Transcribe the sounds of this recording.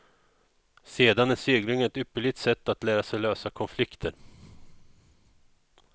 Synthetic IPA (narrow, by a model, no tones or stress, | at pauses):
seːd̪anæsyːɡlɪŋəɛt̪ʏpːəɭɪt̪sɛt̪ːat̪læːɾasɛjløːsakʰɔnflɪkt̪ʰəɾ